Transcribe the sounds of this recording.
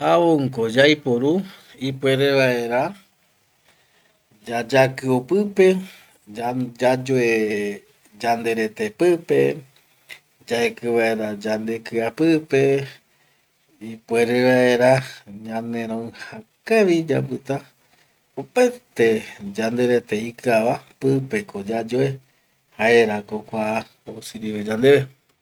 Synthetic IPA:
aβoŋkod͡ʒajpoɾu | ipwe̞ɾe̞βaʔe̞ɾa | d͡ʒad͡ʒakɨopɨpe̞ | ad͡ʒad͡ʒoe | d͡ʒand̪e̞ɾe̞t̪e̞pɨpe̞ | d͡ʒaekɨβae̞ɾad͡ʒand̪e̞kɨapɨpe̞ | ipue̞ɾeʋaeɾaɲãnẽ̞ɾ̃õɨ̃hãkaʋid͡ʒa̰mbɨt̪a | opaet̪ed͡ʒand̪e̞ɾe̞t̪eikɨaʋapɨpe̞kod͡ʒad͡ʒoe | haeɾakokʷa | osɨɾiβed͡ʒand̪e̞βe

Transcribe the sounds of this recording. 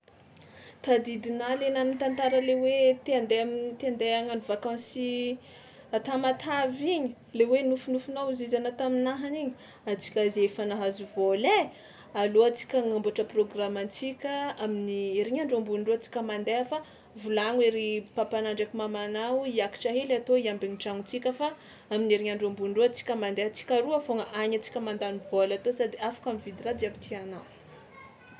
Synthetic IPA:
t̪ad̪id̪inalenamint̪ant̪aɾəlewet̪and̪et̪end̪eaŋanvakãsi | at̪amat̪ʰaviɲi̥ | lewenufunufunazizanat̪aminaɦaniɲi̥ | at͡si̥kʲazefanaɦazuvole | aloat͡si̥kʲaŋamboʈ͡ʂəproɡramant͡sikʲəaminieɾiɲaɳɖ͡ʐombuɳɖ͡ʐuat͡si̥kʲəmand̪eɦafa | vulaŋweɾipapanaɳɖ͡ʐekumamanawiaki̥ʈ͡ʂaɦelat̪oiambeɲiʈ͡ʂaŋut͡sikʲəfa | amineɾiɲaɳɖ͡ʐombuɳɖ͡ʐuat͡si̥kʲəmand̪eɦat͡si̥kʲaɾuafoŋəʔaɲat͡si̥kʲəmand̪anivolat̪osad̪iafḁkʲamivid̪irad͡zabit̪ʰianaw

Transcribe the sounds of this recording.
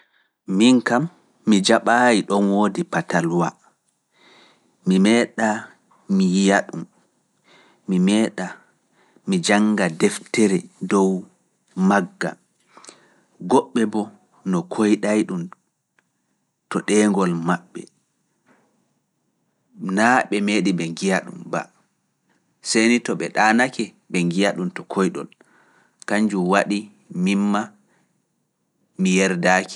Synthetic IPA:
miŋkamː | id͡ʒaɓaːjiɗɔnwoːdipatalwa | mimɛːɗa | mijaɗum | imɛːɗa | mid͡ʒaŋɡadɛftɛɾɛdɔw | maɡːa̰ | ɡɔɓːɛbɔ | nɔkʰojɗajɗum | tɔɗɛːŋɡɔlmaɓːɛ̰ | naɓɛmeːɗibɛŋɡijaɗṵmba̰ | sejnitɔɓɛɗanakɛ | bɛŋɡijaɗumtɔkʰɔjɗɔ̰l | kaɲd͡ʒumwaɗi | mimːa | mijɛɾdaːki̥

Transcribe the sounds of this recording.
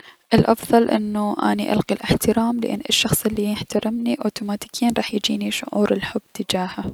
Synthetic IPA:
ʔɪlʔɑfðˤɑlʔɪnːuʔa̰niʔa̰lqilʔɪħt̪ɪɾaːmlɪʔɪ̰nːʔɪʃːɑxsˤɪlːijɪħt̪aɾɪmniʔoːt̪uːmaːt̪iːkʰiːnɾˤɑːħjd͡ʒiːniʃʊ̰ʕṵːɾɪlħʊb̥ːt̪ɪd͡ʒaːha

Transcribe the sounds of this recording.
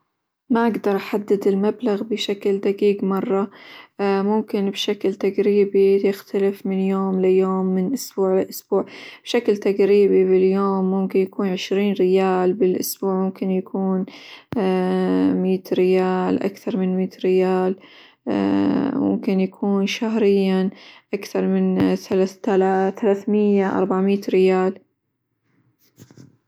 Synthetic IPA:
maʔaɡd̪ɑɾˤʔaħad̪ːɪd̪ɪlmablaɣbɪʃakld̪aɡiːɡmɑrˤːɑ | mʊmkɪnbʃaklt̪aɡɾiːbijɪxt̪alɪfmɪnjoːmlɪjoːmːɪnʔʊsb̥uːʕlɪʔʊsb̥uːʕb̥ʃaklt̪aɡɾiːbibɪljoːmːʊmkɪnjakuːnʕɪʃɾiːnɾɪjaːlbɪlʔʊ̰sbuːʕmʊmkɪnjakʰuːn | miːt̪ɾɪjaːlʔa̰kθɑɾˤmɪnmiːt̪ɾɪjaːl | mʊ̰mkɪnjakʰuːnʃahɾɪjːaʔakθɑɾˤmɪnθalaalaθalaːθmɪjːaʔɑ̰ɾˤbaʕmiːt̪ɾɪjaːl

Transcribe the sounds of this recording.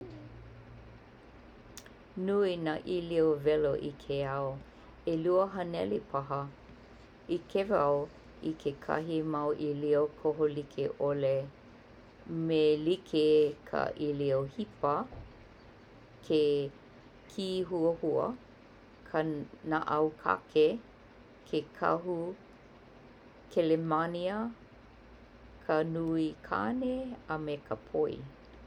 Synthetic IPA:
nuinaʔiliovɛlo̰ʔḭkʰeɐo | eluəɦɐnɛlipʰɐɦə | ikʰevaw | ikʰekʰɐ̰ɦimɐwʔiliokʰoɦolikʰeʔole | melikʰekʰa̰ʔiliohipə | kʰe | kʰiɦuəhuə̰ | kʰənaʔɐwkʰa̰kʰe | kʰekʰɐ̰ɦu | kʰelemaniə | kʰənuikʰa̰neəmekʰəpʰoḭ

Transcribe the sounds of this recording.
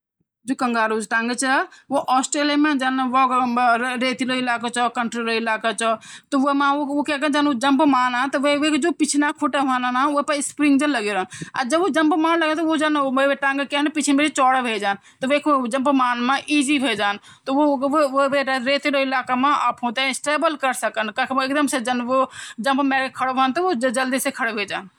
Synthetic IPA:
d͡ʒokəŋɡaɾud͡ʒʈãŋɡət͡ʃʰəʋoʔɔsʈɾelijamed͡ʒaneʋɔ | ɾet̪iloilakat͡ʃɔkəɳʈɾiɾoilakat͡ʃʰɔt̪ɔʋomãookekəd͡ʒanod͡ʒəmpmanɦət̪ɔʋeʋekd͡ʒopit͡ʃʰinakʰuʈəɦənənaopəspɾiŋɡd͡ʒələɡeɾəna̰d͡ʒəbod͡ʒəmpmaːnləɡet̪ɔod͡ʒanobeʈãŋɡkeɦnpit͡ʃʰinbʱeɾet͡ʃɔːɽəbʱed͡ʒaːn | t̪ɔʋekʰd͡ʒəmpmaːnmẽʔiːzibʱed͡ʒaːn | t̪ɔoʋoʋeɾɾeːt̪eɾoilaːkamẽa̰ːpɦõt̪esʈeːbəlkəɾsəkənkakʰekd̪əmsed͡ʒənʋod͡ʒə̃mbmɛɾkekʰəɽbʱənt̪ɔod͡ʒd͡ʒəld̪isekʰəɽbʱed͡ʒaːn

